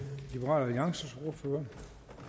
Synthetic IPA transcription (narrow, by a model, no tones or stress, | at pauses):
lib̥eʁɑ̰læðˠjɑ̈ŋsəsoɐføːɐ